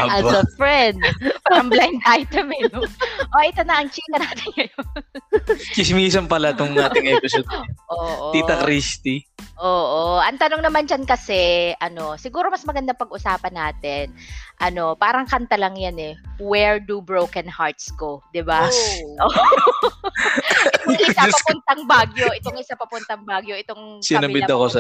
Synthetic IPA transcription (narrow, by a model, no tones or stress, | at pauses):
ɐɐfɹɛnd̪paːɾɐŋblajnd̪ʔajt̪ɐminʔoʔɪt̪ɐnɐɐŋt͡ʃiːt̪ɐnaːt̪ɪnkɐjont͡ʃɪsmiːs̬ɐmpɐlat̪ʊŋaːt̪ɪŋɐpʊsod̪ʔoːʔoiːt̪ɐkɾist̪iʔoːʔoʔɐŋt̪ɐnoŋnɐmand͡ʒɐnkɐsɛʔɐno̞sɪɡuːɾo̞mɐsmɐɡɐnd̪apɐɡʔʊsaːpɐnːaːt̪ɛnʔɐno̞paːɾɐŋkɐnt̪ɐlɐŋjanɛwɛɹd̪ubɹowkɛnhaɹt̪sko̞d̪ɪbaʔoː | toŋɪsapɐpʊnt̪ɐŋbaɡjoʔɪt̪oŋʔɪsapɐpʊnt̪ɐŋbaːɡjo̞ʔɪt̪o̞ŋsɪnɐbɪɐɐkosɐ